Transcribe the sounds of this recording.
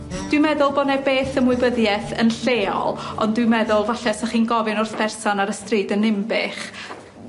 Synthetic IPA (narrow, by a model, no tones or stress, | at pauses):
d̥wɨmɛðʊlˠbɔnɛbeːθəmʊɨbəðjɛθənɬeːɔ̰lˠɔ̰ndwɨmɛðʊlˠvaɬɛsɛχiːnɡɔvɪnʊrθpʰɛrsɔnaɾəstriːdənːɪmbɪχ